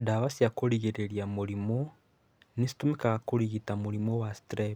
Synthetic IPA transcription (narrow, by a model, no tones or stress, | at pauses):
daβasjakoɾiɣiɾeɾjamuɾimo | nisi̥tumekaɣakoɾiɣitamuɾimowasi̥tɾeβ